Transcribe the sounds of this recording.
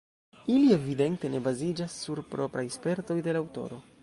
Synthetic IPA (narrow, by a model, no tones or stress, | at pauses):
ilie̞vide̞nte̞ne̞bazid͡ʒasːuɾpɾo̞pɾajspe̞ɾto̞jde̞lawto̞̰ɾo̞